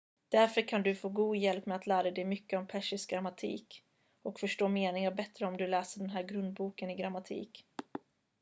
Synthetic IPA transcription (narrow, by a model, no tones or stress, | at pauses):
d̪̥æɾfœɾkʰand̪ɵfoːɡuːd̪jɛlpːmɛat̪læːɾaɾɛd̪ɛjmʏkːəɔmpʰɛʂɪsɡɾamːat̪ʰḭːk | ɔkfœʂʈoːmeːnɪŋaɾbɛt̪ɾəɔmd̪ɵlɛːsəɖɛnɦæːɾɡɾɵnd̪̚buːkənɪɡɾamat̪ʰḭːk